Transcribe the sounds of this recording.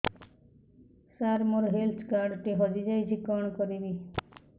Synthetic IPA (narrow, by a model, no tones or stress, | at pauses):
saɾmoɾɦelt̪ʰkaɾɖʈiɦɔd͡ʒid͡ʒajt͡ʃʰikɔɳ̃kɔɾibi